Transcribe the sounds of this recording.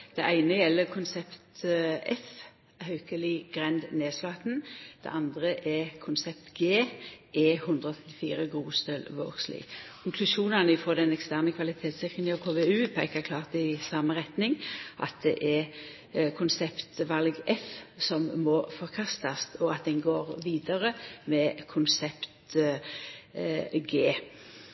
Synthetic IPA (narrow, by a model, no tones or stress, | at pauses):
d̪̥ɛʔæɪnəjɛlːəkʰʊnsɛpt̪ɛf | hœʉkəlɪɡ̥ʁɛnd̪neːslɑt̪nd̪̥ɛ̰ʔɑnd̪ʁəʔɛkʰʊnsɛp̚t̪ɡeːʔɛːhɵnd̪ɾəɔθʰɛt̪ːɪ̥fḭːɾəɡʁuːst̪œlʋo̰ːɡslɪ̰kʰʊŋkʰlʉʃuːnɑnɪfɔːd̪ɛnɛkst̪æʁnəkʰʋɑlɪt̪ʰeːt̪sɪkənɪɔkʰoːʋɛʉːpʰæɪkəkʰlɑːʁt̪ɪsɑːməʁɛt̪nɪŋʔɑ̰t̪̚d̪ɛ̰ʔɛ | kʰʊnsɛpt̪ʋɑlɡɛfsɔmːɔfɔʁkʰɑst̪ɑst̪ɔɑt̪̚d̪ɛnɡoːʁʋiːd̪əɾəmɛkʰʊnsɛpt̪ | ɡeː